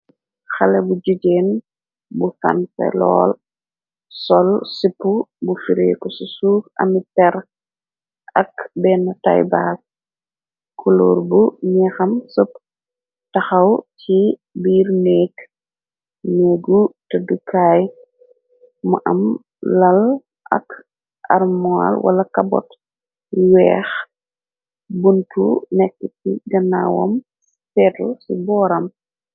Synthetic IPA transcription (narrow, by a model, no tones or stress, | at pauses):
xɐlɛbud͡ʒuɟeːn | bufa̰nfɛ̰lɔ̰ːl | sɔlsipːubufiɾeːkɔsusuːkɐ̰mitɛɾ | ʔɐkbɛːnɐta̰jbaːs̚ | kulɔ̰ːrbuɲɛxɐmsɔp | tɐxɐwtibiːɾnɛːk | nɛːɡutɐdəkaːj | mɐ̰ʔɐm | lɐl | ʔɐ̰k | ʔɐ̰rmɔa̰lwʔɐ̰lɐkɐbɔ̰t | wɛ̰ːx | buntṵnɛkːətiɡɐna̰wɔ̰m | fɛːtulsubɔːɾɐm